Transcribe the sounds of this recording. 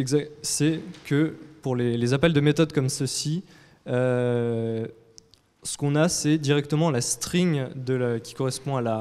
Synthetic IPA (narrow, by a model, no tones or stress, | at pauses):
ɛɡzasɛkəpuʁlelezapɛld̪əmet̪ɔd̪kɔmsəsi | ø | sə̥kɔ̃nasɛd̪iʁɛk̚t̪əmɑ̃last̪χiŋd̪əkʲi̥kɔʁɛspɔ̃ala